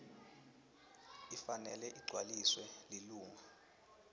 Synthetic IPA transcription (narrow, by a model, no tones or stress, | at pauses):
ifanɛlɛʔiɡ͡ǀʱwaliswɛliluːŋa